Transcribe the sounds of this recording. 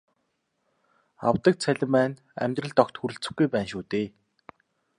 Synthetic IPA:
a̰wt̪ə̆k̚t͡sʰæɮʲɪ̆mæːn | æ̰mʲt̪rə̆ɮt̪ɔkt̪xuɾɘ̆ɬt͡sɘ̆xɡujpæːnʃuːt̪eː

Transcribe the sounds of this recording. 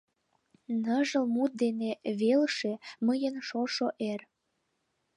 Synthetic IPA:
nəʒə̆lmut̪̚d̪eneβelʃeməjənʃoʃoʔer

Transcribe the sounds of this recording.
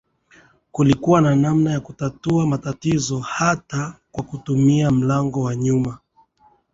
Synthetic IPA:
kulikuwananamnajakutatuamatatizɔhatakwakutumiam̩laŋɡɔwaɲuma

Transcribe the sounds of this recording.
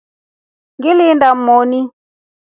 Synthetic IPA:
ŋɡɪlɪndam̩mɔni

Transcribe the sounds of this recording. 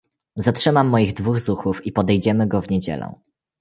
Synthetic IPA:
zatʂɘmamːɔjiɣd̪vuɣzuxufipɔd̪ɛjd͡ʑɛmɘɡɔvɲed͡ʑɛ̰lɛ̰̃

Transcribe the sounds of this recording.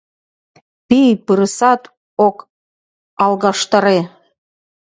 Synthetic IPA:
pijpɯɾɤsɑt̪ | ok | ɑlˠɣɑʃt̪ɑɾe

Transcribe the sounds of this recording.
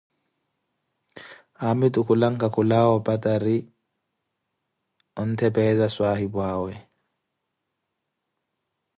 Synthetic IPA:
hamitukulaŋkakulaːwɔpataɾi | ɔntɛpɛzaswaːhibwaːwɛ

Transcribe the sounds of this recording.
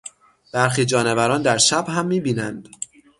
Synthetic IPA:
b̥æɾxiːd͡ʒɒːnevæɾɒːnd̪æɾʃæbhæmːiːbiːnænd̪̥

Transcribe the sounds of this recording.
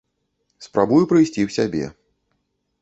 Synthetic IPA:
spɾabujupɾɨjsʲt͡sʲiwsʲabʲɛ̰

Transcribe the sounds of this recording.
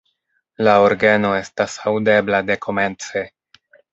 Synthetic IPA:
lao̞ɾɡeno̞e̞stasawde̞blade̞kʰo̞me̞nt͡se̞

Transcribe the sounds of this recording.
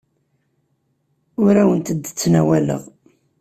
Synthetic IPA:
ʊɾæwənt̪əd̪ːət͡sːnæwælə̰ʁ

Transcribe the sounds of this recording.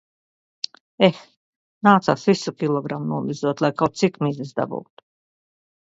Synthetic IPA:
ex | naːt̪sa̰ːsvisukʲilˠɔɡɾamunuɔlizuɔt̪lˠajkawt̪̚sikmizisd̪a̰bṵːt̪u̥

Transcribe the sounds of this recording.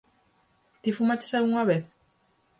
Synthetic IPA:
t̪ifumat͡ʃe̥sauŋaβeθ

